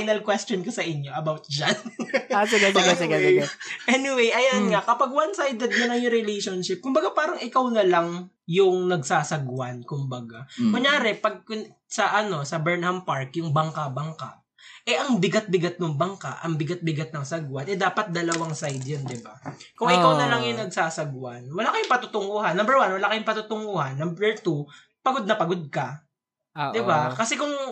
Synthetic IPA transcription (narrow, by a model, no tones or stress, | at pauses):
jnɐlkwɛst̪onkosɐʔɪɲːo̞ʔɐbawt̪̚d͡ʒɐnasɪɡasɪɡasɪɡɐɪɐʔɛnɪwejʔɐjanŋakɐpaɡ̚wansajd̪ɛd̪̚kɐnɐjʊŋɾɛlejʃonʃɪp̚kʊmbɐɡapaːɾɐŋɪkawnɐlɐŋ | jʊŋnɐɡ̚saːsɐɡwankʊmbɐɡamɐjaːɾɛpɐɡ̚kʊn | sɐʔɐno̞sɐbɛɹnhɐmpaɹkjʊŋbɐŋkabɐŋka̰ | ʔɛʔɐŋbɪɡat̪̚bɪɡat̪̚noŋbɐŋka̰ʔɐŋbɪɡat̪̚bɪɡat̪̚nɐŋsɐɡwɐnʔɛd̪aːpɐt̪̚d̪ɐlɐwaŋsajd̪jond̪ɪbakʊŋʔɪkawnɐlɐŋjʊŋnɐɡ̚saːsɐɡwanwɐlaːkɐjʊŋpɐt̪ʊt̪ʊŋohɐnːɐmbɛɹwanwɐlaːkɐjʊŋpɐt̪ut̪ʊŋohɐnːɐmbɛɹt̪u | pɐɡod̪̚nɐpɐɡod̪̚kɐ | d̪ɪbakɐsɛkʊŋ